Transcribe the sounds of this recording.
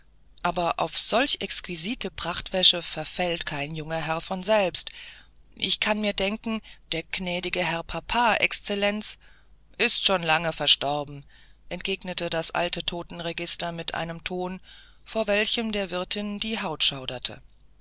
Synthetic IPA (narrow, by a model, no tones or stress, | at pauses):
ʔaːbɐʔa̰ʊfz̥ɔlçʔɛkskwiziːtʰəpʁ̥aχtv̥ɛʃəfɛɐfɛltkʰaɪnjʊŋɐɦɛɐfɔnzɛlpst | ʔɪçkʰanmiːɐdɛŋkŋ̩d̥eːɐɡ̥nɛːdɪɡəɦɛɐpʰapʰaːʔɛ̰kst͡sɛlɛnt͡s | ʔɪstʃoːnlaŋəfɛɐʃtɔʁbm̩ | ʔɛnt̚ɡ̥eːɡnətədasʔa̰ltʰətʰoːtn̩ʁeɡɪstɐmɪtʔa̰ɪnəmtʰoːn | foːɐvɛlçəmdeːɐvɪɐtʰɪnd̥iːɦaʊtʃaʊdɐtʰə̰